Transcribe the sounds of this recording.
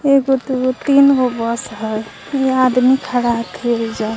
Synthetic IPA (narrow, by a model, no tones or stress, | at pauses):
eɡot̪uot̪inɡobʌsɦəj | ead̪mikʰaɽaɦt̪ʰiid͡ʒa